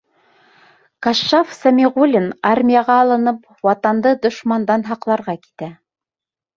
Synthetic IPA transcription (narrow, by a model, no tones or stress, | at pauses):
kɑʃːɑfsɑmʲiʁulʲinɑrmʲijɑʁɑːlˠɤ̆nɤp | wɑt̪ɑnd̪ɤd̪ŏʃmɑnd̪ɑnɦɑqlˠɑɾʁɑki̥t̪æ